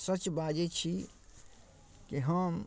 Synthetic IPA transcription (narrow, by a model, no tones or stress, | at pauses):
sət͡ʃbad͡ʒet͡ʃʰi | kiɦəm